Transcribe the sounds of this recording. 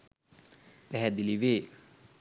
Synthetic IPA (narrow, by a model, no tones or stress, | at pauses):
pɛɦɛd̪iliʋeː